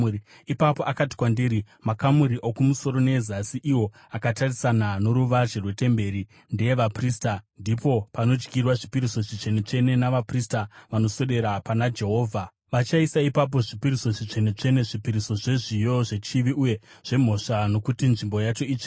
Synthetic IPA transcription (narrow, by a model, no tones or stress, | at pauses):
i | ipapo̞ʔakati̥kwandiɾi | makamuɾiʔokumuso̞ɾo̞ne̞zasiʔiwo̞ | akatarisanano̞ɾuʋaʐerwe̞te̞mbe̞ɾi | ndejeʋapristandipo̞pano̞d͡ʒkirwaʐipiɾiso̞ʐit͡ʃe̞net͡ʂe̞ne̞naʋapristaʋano̞so̞ɗe̞ɾapanad͡ʒe̞ɦo̞ːvʱa | ʋat͡ʃaisaipap̬o̞ʐipiɾiso̞ʐit͡ʂe̞net͡ʂe̞ne̞ʐipiɾiso̞ʐe̞ʐijo̞ʐe̞t͡ʃiʋiuje̞ | ʐ̥e̞m̤o̞ʂano̞kutinʐimbo̞jat͡ʃo̞iːt͡ʃe